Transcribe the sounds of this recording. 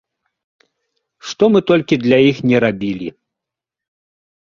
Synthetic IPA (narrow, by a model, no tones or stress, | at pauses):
ʂt̪ɔmɨt̪ɔlʲkʲid̪lʲajixnʲɛɾabʲilʲḭ